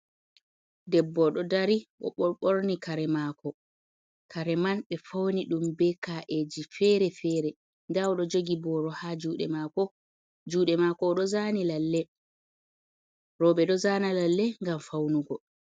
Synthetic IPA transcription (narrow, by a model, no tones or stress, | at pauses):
dɛbːɔɗɔdaɾiʔɔ̰ɓɔɓoɾnikaɾɛmakɔ | kʰaɾɛmanɓɛfowniɗumbɛkaʔed͡ʒifɛɾɛfɛːɾɛ | ndawɗɔd͡ʒoɡibɔɾɔhad͡ʒuːɗɛ̰maːkɔ | d͡ʒuːɗɛmakɔɗɔzanilalːɛ | ɾɔɓɛɗɔzanalalːɛŋɡamfawnuɡɔ